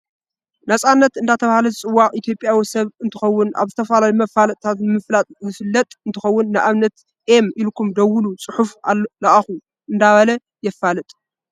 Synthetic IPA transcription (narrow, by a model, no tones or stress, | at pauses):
nasʼanːɐt̪ɨnd̪at̪ʰɐβahlɐzɨt͡sʼɨwːakʼit̪ʰjo̞pʼjawisɐβɨnt̪ʰɨxɐwːʊnʔa̰βzɨt̪ʰɐfalawimɐfalɐt̪ʼt̪ʰat̪mɨflat̪ʼzɨfɨlːɐt̪ʼɨnt̪ʰɨxɐwːʊnːɨʔaβnɐt̪ | ʔemilkʰumd̪ɐwʊlut͡sʼɨħufalːlaʔaxu | ʔɨnd̪aβɐlɐ | jɛfːalɨt̪ʼ